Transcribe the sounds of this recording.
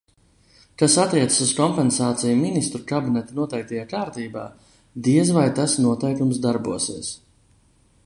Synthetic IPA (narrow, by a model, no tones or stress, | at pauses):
kasat̪ːiɛt̪sə̥suzkɔmpɛnsaːt̪sijuminist̪ɾukabinɛt̪anuɔt̪ɛjk̚t̪ɛjaːkaːɾt̪iːba̰ː | d̪iɛzvajt̪asnuɔt̪ɛjkumsd̪aɾbuɔsiɛs